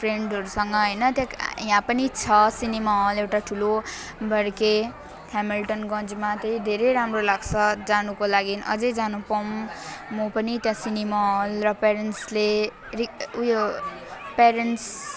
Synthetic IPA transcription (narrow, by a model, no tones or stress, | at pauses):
pʰreɳɖʌɾusʌŋɡʌɦʌjnʌt̪jãkjãpʌnit͡sʰʌsinemaolewʈaʈʰulo | bʱʌɾke | hamilʈʌnɡʌ̃nd͡zmat̪ʌjd̪ʱeɾejɾamrolaɡt͡sʰʌd͡zanukolaɡinʌ̰d͡zʌjd͡zanupʌmːopʌnit̪jãsinimaolrʌpeɾenʈsle | riujo | peɾenʈs